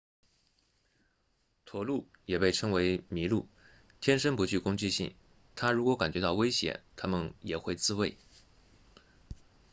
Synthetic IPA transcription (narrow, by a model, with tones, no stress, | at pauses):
t̪ʰwɔ˨˥lu˥˩ | jɛ˨˩pe˥˩ɪʈ͡ʂʰɤ˥ŋwe˧˥ɪmi˧˥lu˥˩ | t̪ʰjɛ˥nʂə˥npu˧˥t͡ɕy˥˩kʊ˥ŋt͡ɕi˥˧ɕḭ˥˩ŋ | t̪ʰa˥ɻu˧˥kwɔ˧˥ka˨˩nt͡ɕɥɛ˧˥t̪ɑ˥˩ʊwe˥ɪɕjɛ̰˨˧˩nt̪ʰa˥mə˨njɛ˨˩xwe˥˧ɪt͡sɹ̩˥˧we˥˩ɪ